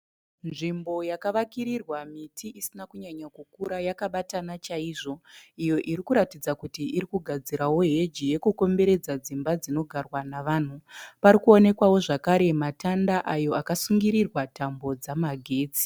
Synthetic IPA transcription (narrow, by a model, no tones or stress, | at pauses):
nʐimbo̞jakaʋakiɾirwamitʰiʔisinakuɲaɲakukuɾajakaɓatanat͡ʃaiːʐo̞ijo̞ʔiɾikuɾatid͡zakutiʔiɾikuɡʱad͡ziɾawo̞ɦe̞d͡ʒije̞kuko̞mbe̞ɾe̞d͡zad͡zimbad͡zino̞ɡʱarwanaʋaːn̤upaɾikuo̞ne̞kwawo̞ʐakaɾe̞matandaʔajo̞akasuŋɡiɾirwatambo̞d͡zamaɡʱe̞ːd͡zi̥